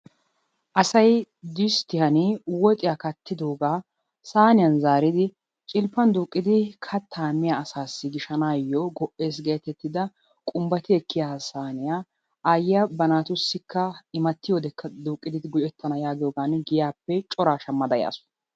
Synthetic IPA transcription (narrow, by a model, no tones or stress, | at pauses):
ʔɐsɐj | d̪ɪst̪ɪhɐnɪwɔt̪ʼɪjakɐt̪ʰːɪd̪oːɡaː | saːnɪjɐnzaːɾɪd̪ɪ | t͡ʃʼɪlpːɐnd̪uːkʼːɪd̪ɪkʰɐt̪ʰːaːmːɪjaːsaːsːɪɡɪʃɐnaːjːɔɡɔʔe̞ːs̬ɡe̞ːt̪ɛt̪ːɪd̪ɐ | kʼʊmbɐt̪ɪɛkːɪjasaːnɪjaː | ʔaːjɪjɐbɐnaːt̪ʊsːɪkʰːɐɪmɐt̪ːɪjoːd̪ɛkʰːɐd̪uːkʼːɪd̪ɪd̪ɪɡʊʔɛt̪ʰːɐnɐjaːɡɪjoːɡaːnɡɪjaːpːɛt͡ʃʼɔɾaːʃɐmːɐd̪ɐja̰ːsʊ̥